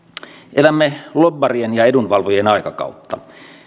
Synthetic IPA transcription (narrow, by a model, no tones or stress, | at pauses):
ʔelæmːelobːɑrienjɑedunʋɑlʋojenɑikɑkɑ̰ut̪ʰːɑ